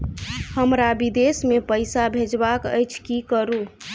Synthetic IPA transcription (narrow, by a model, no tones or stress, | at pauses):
həmɾabid̪esmepəjsabʱed͡ʒbakə̰jt͡ʃʰkikəɾu